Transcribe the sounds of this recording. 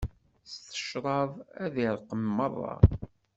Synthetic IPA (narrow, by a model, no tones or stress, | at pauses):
st̪ə̥ʃɾˤɑvæðiɾˤqəmːəðˤɑ̰